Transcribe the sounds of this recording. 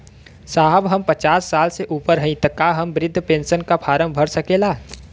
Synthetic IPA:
saːɦəbɦəmpət͡ʃaːsːaːlseʔuːpəɾɦə̃ĩt̪əkːaɦəmbɾɪd̪ʱːpẽːnʃənkapʰaːɾəmbʱəɾsɐkeːlaː

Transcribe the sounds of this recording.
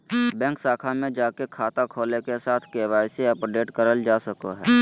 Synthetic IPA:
bɛ̃ːŋksaːkʰamẽd͡ʒaːkekʰaːt̪akʰoːlekesaːt̪ʰkeːʋaːjseɐpɖeːʈkəɾəld͡ʒaːsəkoɦɛː

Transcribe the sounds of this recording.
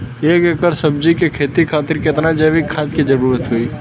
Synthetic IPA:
eːkekəɾsɐb̚d͡ʒikekʰeːt̪ikʰaːt̪ɪɾkɪt̪nad͡ʒəʋikʰːaːt̪kid͡ʒɐɾuːɾət̪ɦʊiː

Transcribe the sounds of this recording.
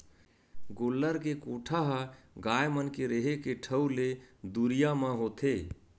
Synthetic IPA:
ɡoːlːəɾkekoʈʰaɦəɡajmənkeɾeɦekeʈʰəwled̪uɾijamãɦot̪ʰe

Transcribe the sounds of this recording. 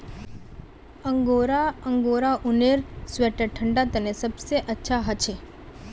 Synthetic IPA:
əŋɡoɾaəŋɡoɾaʔuneɾsʋeʈəʈʰəɳɖat̪ənesəbseʔətːʃʰaɦət͡ʃʰe

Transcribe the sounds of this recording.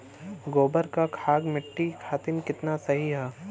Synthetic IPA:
ɡoːbəɾkakʰaːɡmɪʈːikʰaːt̪ɪnkɪt̪nasɐɦiɦɛː

